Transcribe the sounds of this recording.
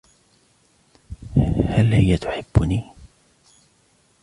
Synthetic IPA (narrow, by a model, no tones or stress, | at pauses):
halhɪjːat̪ʊ̥ħɪbːʊniː